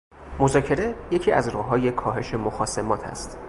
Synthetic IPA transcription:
mozɒːcʰe̞ɾe̞je̞cʰiːæ̰zɾɒːɦɒːje̞kʰɒːɦe̞ʃe̞moxɒːse̞mɒːt̪ʰæ̰st̪

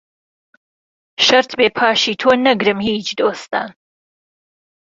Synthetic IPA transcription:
ʃɐɾt̪beːpʰaːʃiːt̪ʰoːnɐɡɾɨmhiːt͡ʃd̪oːst̪a̰ːn

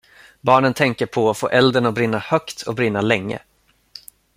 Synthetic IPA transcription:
bɑːɳənt̪ʰɛŋkəɾpʰɔːfo̰ːʔɛld̪əɳɔk̚bɾɪnːahœkt̪ʰɔ̰bɾɪnːalɛŋːə̰

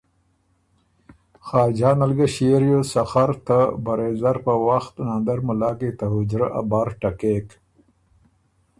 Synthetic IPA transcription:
xaːd͡ʒaːnɐlɡɐɕeɾjosɐxɐɾt̪abɐɾeːzɐɾpəwaxt̪nand̪ɐɾmʊlaːket̪aɦʊd͡ʒɾaʔa̰baːɾʈɐkek

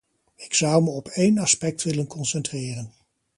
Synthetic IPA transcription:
ɪksʌwməɔpejnɑspɛk̚tʋɪlənkɔnsɛntrɪːrən

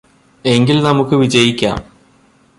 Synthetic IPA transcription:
e̞ŋɡilnɐmukːɨʋid͡ʑɐjikʲːa̰ːm

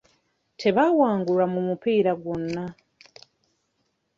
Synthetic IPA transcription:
tʰe̞βawaːŋɡuɾamumupiːɾaɡwonːa

